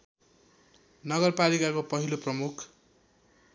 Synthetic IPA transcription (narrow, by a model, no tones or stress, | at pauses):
nʌɡʌrpalikakopʌɦiloprʌmukʰ